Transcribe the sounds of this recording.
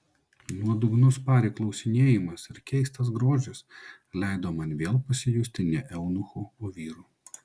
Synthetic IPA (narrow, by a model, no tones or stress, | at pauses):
nuɔd̪ʊɡnʊspɑːɾʲeklˠɒʊsʲɪnʲeːjɪmɐsɪɾkʲɛɪst̪ɐs̬ɡɾoːd͡ʒʲʊs | lʲɛɪd̪oːmɐnʲʋʲeːlˠpɐsʲɪjuːsʲt̪ʲɪnʲɛʔɛʊnʊxuːoːʋʲiːɾuː